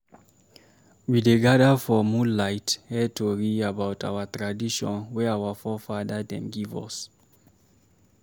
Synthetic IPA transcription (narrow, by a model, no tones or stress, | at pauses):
wideɡadəfɔmũlaɪthɛtoɹiabawtʰa̰wətɹadiʃɔ̰̃nwɛawafɔfadədɛ̰̃mɡivɔ̰s